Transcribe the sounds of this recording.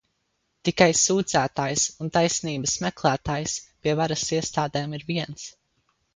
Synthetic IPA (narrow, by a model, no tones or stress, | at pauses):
t̪ikajsuːd̪zæːt̪aːjsunt̪ajsniːbəsmɛklˠæːt̪aːjspʲiɛvaɾasiɛst̪aːd̪ɛːmiɾviɛns